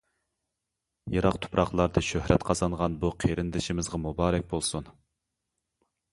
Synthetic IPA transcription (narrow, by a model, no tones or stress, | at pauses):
jɑɾɑqt̪ʰʊ̥pɾɑχlˠɑɾd̪ɨʃøhɾɛt̪qʰɑzɑnʁɑnbuqʰeɾɪnd̪ɪʃimɪzʁɑmubɑːɾɛk̚ʲbolˠsun